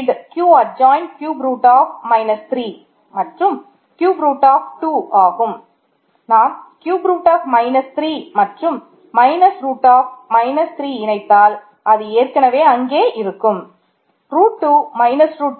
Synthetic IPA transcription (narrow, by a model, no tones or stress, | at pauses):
ɖkjuːɐd͡ʒaːjɪɳɖkjuːbɾuːʈːaːfmɐɪnɐst̪ɾiː | mɐʈrɯm | kjuːbɾuːʈːaːfʈuːaːɣɯm | naːmkjuːbɾuːʈːaːfmɐɪnɐst̪ɾiːmɐʈrɯmː | ɐɪnɐsɾuːʈːaːfmɐɪnɐst̪ɪɾiːɪnɐɪt̪ːaːl | ʔɐðɯeːrkɐnɐʋeːɐŋɡeːʔɪɾɯkːɯm | ɾuːʈːuːmɐɪnɐsɾuːʈ